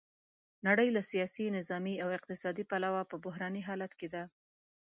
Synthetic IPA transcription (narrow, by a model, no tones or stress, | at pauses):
naɽəjlasijɑsinɪzɑmiawɪq̚t̪ɪsɑd̪ipalawapəbʊɦɾɑniɦɑlat̪ked̪a